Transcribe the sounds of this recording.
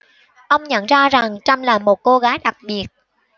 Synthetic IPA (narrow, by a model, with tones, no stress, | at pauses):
ʔə˧wŋ͡mɲə̰˧˨nzaː˧za˨˩ŋt͡ɕa˧mlaː˨˩mo˨˩t̚ko˧ɣaː˨˦jɗa˨˩k̚ɓi˨˩ət̚